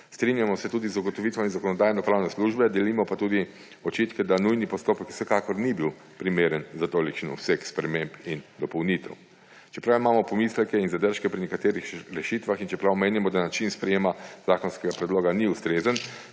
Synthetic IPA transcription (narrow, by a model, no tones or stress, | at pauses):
st̪ɾinjamɔsɛt̪uːd̪izuɡɔt̪ɔʋit̪ʋɔinzakɔnɔd̪aːjnɔpɾaːwnɛsluʒbɛd̪ɛlimɔpat̪uːd̪i | ɔt͡ʃit̪kɛd̪anujnipɔst̪oːpəkw̥sɛkakɔɾnibiw | pɾimeːɾənzat̪oːlikt͡ʃinɔ̰wsɛkspɾɛmempind̪ɔpɔwnit̪ɛ̰w | t͡ʃɛ̥pɾawimaːmɔpɔmislɛkɛinzad̪əɾʃkɛpɾinɛkat̪eːɾixɾɛʃit̪ʋaxint͡ʃɛpɾawmeːnimɔd̪anat͡ʃinspɾɛjeːmazaːkɔnskɛɡapɾɛd̪loːɡaniust̪ɾeːzən